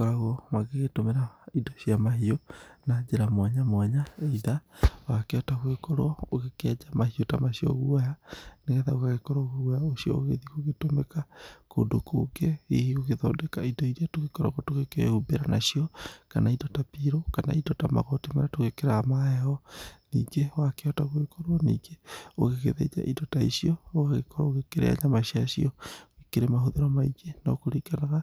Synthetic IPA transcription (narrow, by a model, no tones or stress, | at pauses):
kɔɾaɣwɔmaɣeɣetomeɾaidɔʃiamaɦiɔnad͡ʒeɾamwaɲamwaɲaeiðawakeataɣwekɔɾɔoɣekead͡ʒamahiotamaʃiɔ̰ɣuajaneɣɛðaoɣaɣekɔɾoɣoɣajaoʃiɔ̰oɣḛðiɣoɣetomɛkako̰ndoko̰ɡeḭhiɣoɣeðɔdɛkaidoiɾiatoɣekɔɾa̰ɣɔtoɣekḛhubeɾanaʃijɔkanaidɔtapiɾokana̰idɔtama̰ɣotimaɾatoɣekeɾaamaɛhɔnḭːŋɡewakeɔtaɣekoɾwɔnḭːɡeo̰ɣeɣḛðḛɲa̰ʔidɔtaḭsiɔoɣaɣekɔɾa̰oɣekeɾḛa̰ɲamaɕiaʃiɔoɣekeɾemaɦoðeɾɔmaiɡenaokoɾikanaɣa